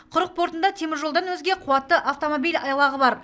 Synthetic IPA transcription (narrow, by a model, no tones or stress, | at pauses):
qʰʊɾəq̚pʰo̞ɾt̪ənd̪ɑt̪ʰe̞mɪɾʒolˠd̪ɑnwɵzɡʲe̞qʰuwɑt̪ːəʔaft̪o̞mobijlɑ̰jɑlˠɑʁəbɑɾ